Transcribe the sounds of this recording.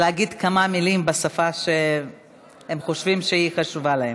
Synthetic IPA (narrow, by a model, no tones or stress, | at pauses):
leaɡid̪kamamilimbasafaʃe | hemχo̞ʃvimʃeiχaʃuvalahem